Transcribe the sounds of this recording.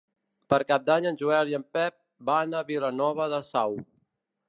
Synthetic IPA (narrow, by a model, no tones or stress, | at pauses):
pəɾkap̚d̪aɲənʒuɛliəmpɛp̚ | banəβilənɔβəðəsaw